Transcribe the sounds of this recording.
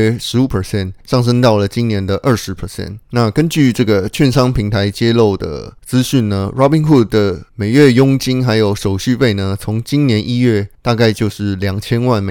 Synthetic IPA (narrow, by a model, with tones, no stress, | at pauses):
ʂɻ̩˧˥u˨˩pʰə˞˨˩ɕɛ˥˩nʂɑ˥˩ŋʂ̬ɤ˥ŋt̪ɑ˥˩ʊlə˩t͡ɕi˦˥nnjɛ˧˥nd̪ə˧ʔə˥˩ʂɻ̩˧˦˥pʰə˨˩ɕjɛ̰˥˩nna˥˨kə˦nt͡ɕy˥˨ʈ͡ʂɤ˥˩ɡə˩t͡ɕʰɥɛ˥˨nʂɑ˥ŋpʰi˧˥ŋt̪ʰa˧˥ɪt͡ɕjɛ˥lo˥˩ʊd̪ə̰˩t͡sɹ̩˦ɕy˥˩nnə˩ɻɑ˥pi˧˥ŋxu˥˩d̚d̪ə˩me˨˩ɪɥɛ˥˩jʊ˥ŋt͡ɕi˥ŋxa˧˥ɪjo˨˩ʊʂo˨˩ʊɕy˥˧pe˥˩ɪnə˩t͡sʰʊ˧˥ŋt͡ɕi˥nnjɛ˧˦nʔi˥ɥɛ˥˩t̪a˥˧ka˥˧ɪt͡ɕjo˥˧ʊʂɻ̩˥˩ljɑ˨˩ŋt͡ɕʰjɛ˥nwa˥˩nme˨